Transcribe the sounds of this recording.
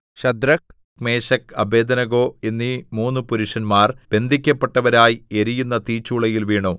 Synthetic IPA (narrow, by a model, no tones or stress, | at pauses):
ɕɐd̪ɾɐk̚ | me̞ːɕɐkɐbe̞ːd̪ɐnɐɣoːenːimuːnːupuɾuʂɐnmaːrb̥e̞nd̪ʱikʲːɐpːe̞ʈːɐʋɐɾaːjieɾijunːɐt̪iːt͡ɕːuːɭɐjilʋiːɳoː